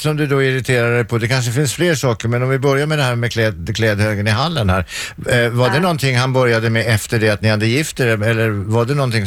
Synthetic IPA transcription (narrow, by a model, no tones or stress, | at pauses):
sɔmd̪ɵd̪ɔɪɾɪt̪ʰeːɾaɛjpʰɔd̪ɛkʰanʂ̬əfɪnsfleːʂɑːkəɾmɛnɔmvɪbœɾjaɾmɛd̪ɛhæːɾmɛkʰlɛːd̪kʰlɛːd̪høːɡənɪɦalːənhæːɾvaɖɛnɔnt̪ʰɪŋːhanbœɾjad̪əmɛɛft̪əɖɛat̪nɪhad̪ːəjɪft̪ɛɾɛɛlːəɾvaɖɛnɔnt̪ʰɪŋ